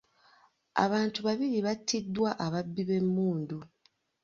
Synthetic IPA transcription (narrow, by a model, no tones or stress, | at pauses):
a̰βaːntuβaβiɾiβatʰːidːwaʔaβabːiβe̞mːuːndu